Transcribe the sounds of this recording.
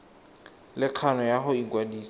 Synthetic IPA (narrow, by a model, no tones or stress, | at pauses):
lɪq͡χʰanɔjaɦʊiŋkʼwadiːs